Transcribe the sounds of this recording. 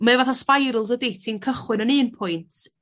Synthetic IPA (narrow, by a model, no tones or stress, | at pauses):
mɛvaθɔspajɾʊlˠdəditʰinkʰəχwɨnənɨːnpʰʊjntʰ